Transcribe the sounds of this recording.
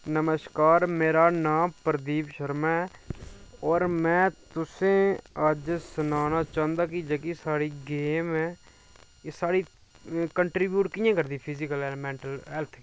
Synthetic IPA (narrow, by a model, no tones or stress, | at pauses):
nəməʃkaːɾmeːɾaːnaːmpəɾd̪iːpʃəɾmɛː | ɔːɾmɛ̃ːt̪ʊsẽːəd͡ʒsʊnaːnaːt͡ʃãːnd̪aːkɪd͡ʒəkisaːɽiːɡeːmɛː | saːɽiː | kəɳʈɾiːbjuːʈkɪjãːkəɾd̪iːpʰɪzɪkəlɛːmɛ̃ːɳʈəlɛːlt̪ʰː